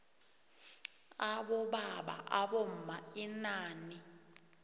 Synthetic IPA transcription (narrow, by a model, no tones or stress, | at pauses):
aɓɔɓaɓa̰ʔaɓom̩mainaːni